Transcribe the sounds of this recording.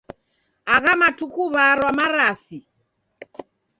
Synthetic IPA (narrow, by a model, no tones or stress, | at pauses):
aɣamatukuβaɾwamaɾasi